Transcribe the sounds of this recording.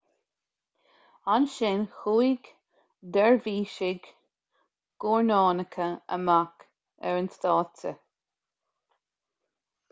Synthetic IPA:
anʃɪnxuːiɡ | d̪ɛɹviːʃɪɡ | ɡ̥ɔɹnɑːnəkʰəə̰mak | ɛɹənst̪ɑːtə̰

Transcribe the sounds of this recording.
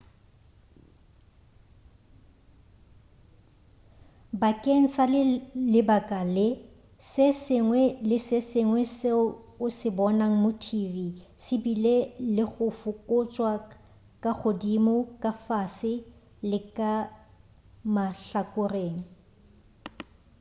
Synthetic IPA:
bakʼeŋ̩salɪbakʼalɪ | sɪsɪŋwɛlɪsɪsɪŋwɛsɪʊsɪbɔnaŋ̩mʊtʰivisɪbilelɪɣʊfʊkʼʊt͡ʃʼwa | kʼak͡xʰodimʊkʼafasɪ | lɪkʼa | maɬakʼʊreːŋ̩

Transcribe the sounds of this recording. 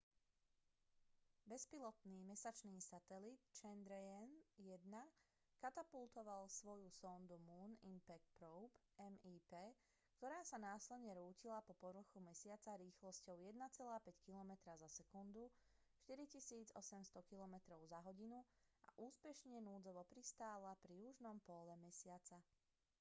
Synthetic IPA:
bɛspilɔt̪niːmɛsat͡ʃniːsat̪ɛlit̪t͡ʃɛnd̪ɾɛɛnjɛd̪na | kat̪apult̪ɔʋalsʋɔjusɔnd̪umuːnimpɛk̚t̪pɾɔʊp | ɛmiːpɛː | kt̪ɔɾaːsanaːslɛd̪ɲɛɾuːcilapɔpɔɾɾ̩xumɛsɪat͡saɾiːxlɔscɔʊjɛd̪nat͡sɛlaːpɛckilɔmɛt̪ɾazasɛkund̪uʃt̪iɾicisiːd͡zɔ̰sɛmst̪ɔkilɔmɛt̪ɾɔʊzaɦɔɟinua̰ʔuːspɛʃɲɛnuːd͡zɔʋɔpɾist̪aːlapɾijuʒnɔmpɔlɛmɛsɪat͡sa

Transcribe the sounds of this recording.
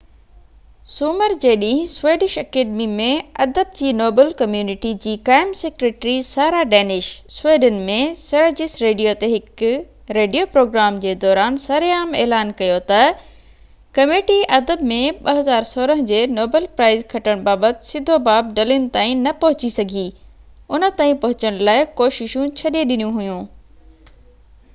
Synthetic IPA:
suːməɾd͡ʑeːɗĩːɦɪ̃sʋeːɖɪʃɐkeːɖmimẽɐd̪əb̚d͡ʑiːnoːbəlkɐmjuːnɪʈid͡ʑiːkaːɪmseːkɾeːʈɾisaːɾaɖɛːnɪʃsʊweːɖənmẽsɐɾd͡ʑɪsɾeːɖijot̪eɦɪk | ɾeːɖijopɾoːɡɾaːmd͡ʑeːd̪ɔːɾaːnsɐɾeaːmeːlaːnkɐjot̪ɐ | kɐmeːʈiʔɐd̪əbmẽɓɐɦɐzaːɾsoːɾəɦə̃d͡ʑeːnoːbəlpɾaːɪzkʰɐʈəɽ̃baːbət̪ɪsɪd̪ʱobaːb̚ɖɐlɪnɪ̆t̪aːĩnɐpɐɦʊt͡ɕisɐɡʱi | ʊnə̆t̪aːĩpɐɦʊt͡ɕəɽ̃laːɪkoːʃɪʃũt͡ɕʰɐɗieɗɪnijũɦʊjũː

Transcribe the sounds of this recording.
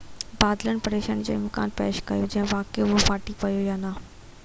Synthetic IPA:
baːd̪lənɪ̆pɐɾeːʃəñd͡ʑo̰ːɪmka̰ːnpḛːʃkɐjod͡ʑɐɦɪ̃ʋaːkeʊɦofaːʈipɐjojaːnɐ

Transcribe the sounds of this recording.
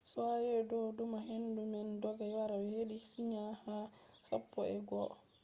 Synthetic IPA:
sɔajɛdɔdumaɦendumɛndɔɡawaɾawɛheɗisiɲaha | sa̰pːɔɛɡɔ

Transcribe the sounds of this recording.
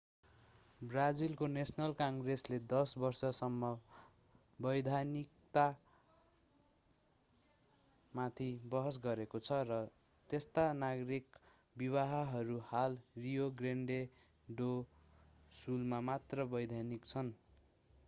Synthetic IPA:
brad͡zilkonesnʌlkaŋɡresled̪ʌsbʌrsʌsʌmːʌ | bʌjd̪ʱanikt̪a | mat̪ʰibʌɦʌsɡʌɾekot͡sʰʌrʌ | t̪est̪anaɡʌɾik | biβaɦʌɦʌɾuhalrijoɡreɳɖe | ɖo | sulmamat̪rʌbʌjd̪ʱanikt͡sʰʌn

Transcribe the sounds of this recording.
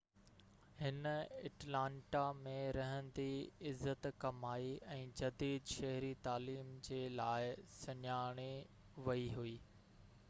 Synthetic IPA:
hɪnɐ̰ʈlãːɳʈamẽɾɐɦə̃nd̪iɪzːət̪kɐmaːiʔɛ̃ːd͡ʑɐd̪iːd̪ʃɐɦɾit̪aːliːmd͡ʑeːlaːɪsɐɲaːɽ̃i | ʋɐiɦuiː

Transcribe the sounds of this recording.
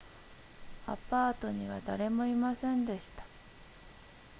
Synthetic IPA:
a̰paːt̪o̞ɲ̟iβ̞ad̪aɾe̞mo̞imasẽ̞nd̪e̞ɕi̥t̪ḁ

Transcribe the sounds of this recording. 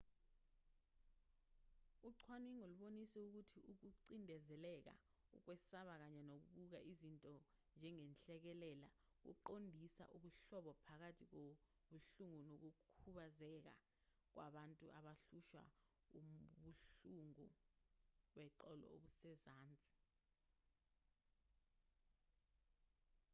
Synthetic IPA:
uǀʰwaniŋoluɓonisɛuk̬utʰiuk̬uǀindʱɛzɛlɛk̬a̰ | ṵk̬wɛsaɓak̬aɲɛnok̬uɓuk̬a̰ʔizintʼɔnd͡ʒʱɛŋɛnɬʼɛk̬ɛlɛla | k̬ṵǃondʱisa̰ʔuɓuɬɔɓɔpʰak̬atʰik̬oɓuɬuŋunok̬ukʰuɓazɛk̬a̰ | k̬waɓantʼuʔaɓaɬuʃwa̰ | uɓuɬuŋu | ɓwɛǃɔlɔ̰oɓusɛzaːnt͡sʼi̥

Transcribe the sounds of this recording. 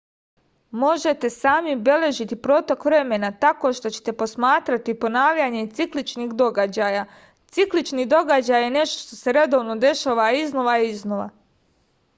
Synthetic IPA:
mo̞ʒe̞t̪e̞saːmibe̞le̞ʒit̪ipɾo̞t̪okʋɾe̞me̞nat̪ako̞ʃt̪o̞t͡ɕe̞̥t̪e̞po̞smaːt̪ɾat̪ipo̞naːʋʎaɲe̞t̪siklit͡ʃniɡd̪o̞ɡad͡ʑaja | t̪siklit͡ʃniːd̪o̞ɡad͡ʑajːe̞ne̞ʃt̪oʃt̪o̞se̞ɾe̞d̪o̞ːʋno̞d̪e̞ʃaːʋaiznoʋaiznoʋa̰

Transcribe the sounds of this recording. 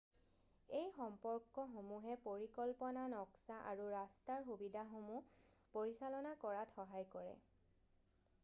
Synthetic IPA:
ejxɔmpɔɹkːɔxomuɦɛpoɹikɔlpɔnanɔksaʔa̰ɹuɹastaɹxubidʱaxomu | poɹisalɔnakɔɹatʰɔɦajkɔɹɛ̰

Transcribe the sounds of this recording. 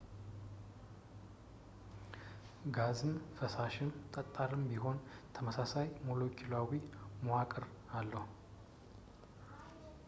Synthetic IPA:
ɡazɨnfəsaʃɪnt̪ʼət̪ʼːaɾɨmbiɦo̞nt̪ʰəməsasajmolo̞kʰilawimoakʼɨɾ | alːəh

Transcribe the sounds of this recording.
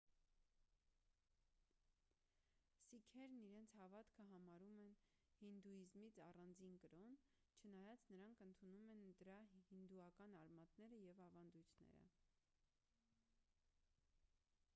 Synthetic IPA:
sikʰɛɾniɾɛnt͡sʰhɑvɑt̪kʰəɦɑmɑɾumɛn | hind̪uizmit͡sʰɑrɑnd͡zinkəɾɔn | t͡ʃʰənɑjɑt͡snəɾɑŋkʰənt̪ʰunumɛnd̪əɾɑhind̪uɑkɑnɑɾmɑt̪nɛɾəjɛvɑvɑnd̪ujt̪ʰnɛ̰ɾə̰

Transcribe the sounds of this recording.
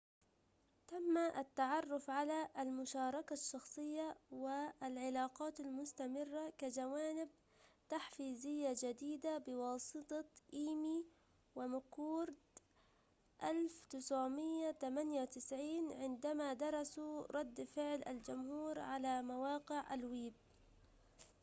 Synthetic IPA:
t̪amːaʔat̪ːaʕɑrˤːʊfʕalaʔalmʊʃɑːɾˤɑkaʃːɑxsˤɨjːawɪalʕɪlɑːqɑːt̪almʊst̪amɪrːakad͡ʒawaːnɪb̚ | t̪aħfiːzɪjːad͡ʒad̪iːd̪abɪwɑːsˤɨt̪ˤɑʔiːmi | wɪmakuːɾd̪ | ʔalft̪ɪsʕmɪjːat̪amanjawt̪ɪsʕiːnʕɪnd̪amad̪ɑɾˤɑsuɾˤɑd̪ːfɪʕlʔa̰ld͡ʒʊmhuːɾʕalamawɑːqɪʕʔa̰lwiːb̚

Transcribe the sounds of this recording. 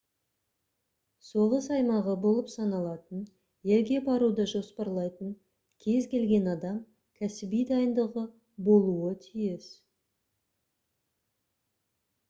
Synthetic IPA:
so̞ʁəsɑjmɑʁəbo̞lˠəpsɑnɑlˠɑt̪ən | je̞lɡʲe̞bɑɾud̪əʒo̞spɑɾlˠɑjt̪əɴ | kʲʰe̞zkʲʰe̞lɡʲe̞nɑd̪ɑm | kʲʰæsɪbijd̪ɑjənd̪əʁə | bo̞lˠuət̪ʰijɪs

